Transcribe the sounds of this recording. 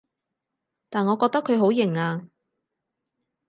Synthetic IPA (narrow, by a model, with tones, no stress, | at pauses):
t̪aː˨nŋɔː˨˧kɔː˧k̚t̪ɐ˥kʰɵ˨˧ɥɦo˨˥wjɪ˨˩ŋaː˧